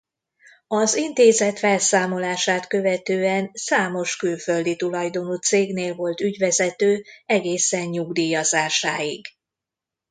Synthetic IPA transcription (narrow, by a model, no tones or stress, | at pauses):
ɒzint̪eːzɛt̪fɛlsaːmo̞laːʃaːt̪kø̞vɛt̪øːɛnsaːmo̞ʃkylføld̪it̪ulɒjd̪o̞nuːt̪seːɡneːlvo̞lt̪yɟʋɛzɛt̪øːɛɡeːsɛɲɲuɡd̪iːjɒzaːʃaːjiɡ